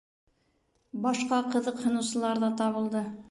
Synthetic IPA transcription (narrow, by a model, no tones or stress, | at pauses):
bɑʃqɑqɤ̆ðɤqhŏnɤ̆wsɤ̆lˠɑɾðɑt̪ɑβɤ̆lˠd̪ɤ